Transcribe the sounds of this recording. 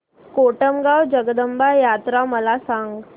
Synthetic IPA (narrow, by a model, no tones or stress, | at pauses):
koʈəmɡawd͡ʑəɡd̪əmbajat̪ɾaməlasãŋɡ